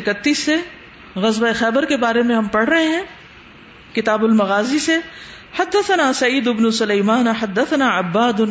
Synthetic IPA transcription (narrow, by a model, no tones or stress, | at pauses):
ɪkət̪ːiːsːe | ɣɐzbaexɛːbəɾkebaːɾemẽɦɐmpɐɽ̤ɾɐɦeɦɛ̃ː | kɪt̪aːbʊlmɐɣaːzise | ħɐd̪ːɐθɐnaːsɐiːd̪ɪbnusʊlɐːmaːnħɐd̪ːɐθɐnaːɐbːaːd̪